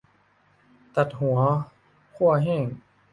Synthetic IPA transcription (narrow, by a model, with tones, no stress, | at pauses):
t̪a˨˩t̪̚hu˨˩˦ɐ | kʰu˥˩ɐəɦɛː˥˩ŋ